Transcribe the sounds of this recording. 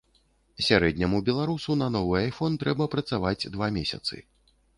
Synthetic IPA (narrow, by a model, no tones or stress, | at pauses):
sʲaɾɛd̪̚ʲnʲɐmubʲɛlˠaɾusunɐnɔvɨajfɔnt̪ɾɛbɐpɾɐt̪savad͡zʲd̪vamʲesʲɐ̰t̪sɨ̰